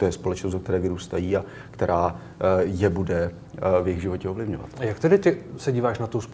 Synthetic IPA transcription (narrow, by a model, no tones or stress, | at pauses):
t̪ojɛspo̞lɛt͡ʃnosd̪zok̚t̪ɛɾɛːvɪɾuːst̪ajiːa | kt̪ɛɾʔaː | jɛbudɛ | vjɪɣʒɪvo̞cɛo̞vlɪvɲo̞va̰t̪ajakt̪ɛdɪt̪ɪsɛɟiːvaːʃnat̪ows